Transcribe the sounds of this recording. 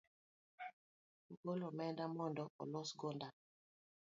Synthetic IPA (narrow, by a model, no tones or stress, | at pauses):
ukolɔmɛndamɔndɔʔɔ̰lɔsɡonda